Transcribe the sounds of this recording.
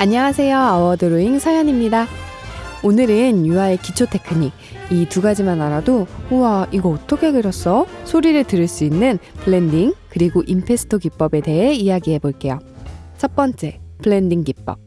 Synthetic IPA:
aɲːʌŋasʰe̞joawʌdɯɾoiŋsʰajʌɲimɲida | onɯɾɯnjuɦaekit͡ɕʰotʰe̞kʰɯɲi | ituɡad͡ʑimanaɾadohuwaiɡʌːtʰʌkʰe̞ɡɯɾʌs͈ʌsʰoɾiɾɯɭtɯɾɯɭs͈uinːɯnpɯɭe̞ndiŋkɯɾiɡoʔimpʰe̞sʰɯ̥tʰoɡip͈ʌbe̞de̞ɦe̞iaɡiɦe̞boɭk͈e̞jot͡ɕʰʌp͈ʌnt͡ɕ͈e̞pɯɭe̞ndiŋɡip͈̚ʌb̚

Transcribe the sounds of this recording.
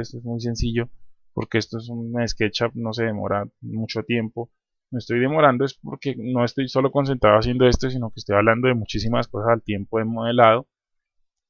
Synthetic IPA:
est̪oezmujs̬e̞nsiʝo̞ | poɾke̞e̞st̪oesumeeske̞t͡ʃano̞s̬eðemo̰ɾamut͡ʃot̪je̞mpo | meest̪o̞jd̪e̞mo̞ɾand̪o̞e̞spo̞ɾke̞no̞e̞st̪o̞jso̞lo̞ko̞ns̬e̞nt̪ɾaoas̬je̞nd̪o̞est̪o̞s̬ino̞kest̪ojaβland̪o̞ðemut͡ʃis̬imaskosasalt̪je̞mpoðemoðe̞lað̞o

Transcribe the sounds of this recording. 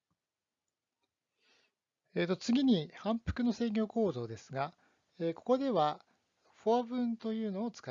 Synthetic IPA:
eːt̪ːo̞t͡sɨɡʲiɲ̟ihãmpɯ̟̥kɯ̟no̞se̞ːɡʲo̞ːko̞ːd̪o̞ːd̪e̞sɨɡa | eko̞̥ko̞d̪e̞βa | ɸoabɯ̟̃nt̪o̞jɯ̟ːno̞ːt͡sɨ̥ka

